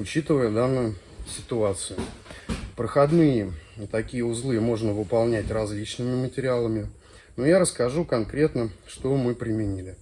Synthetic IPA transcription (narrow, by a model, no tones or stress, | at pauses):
ʊt͡ɕit̪ɨvəjəd̪anːʊjʊ | sʲɪt̪ʊat̪sɨjʊ | pɾəxɐd̪nɨjət̪ɐkʲijəʊzlˠɨjəmo̞ʐnəvɨpɐlˠnʲætʲrɐzʲlʲit͡ɕnɨmʲɪmətʲɪɾʲɪalˠəmʲɪ | nojaɾəskɐʐukɐnkɾʲe̞t̪nəʂt̪omɨpɾʲɪmʲɪnʲilʲɪ